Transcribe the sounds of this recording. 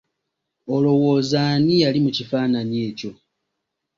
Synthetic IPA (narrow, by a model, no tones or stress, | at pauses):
olo̞wo̞ːzanijalimucifaːnanje̞ːco̞